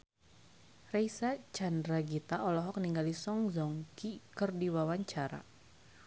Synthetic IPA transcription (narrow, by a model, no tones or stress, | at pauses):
rejsat͡ʃandɾaɡit̪aʔɔlɔɦɔk̚niŋɡalisɔŋzɔŋkikərdiwawaɲt͡ʃaɾa̰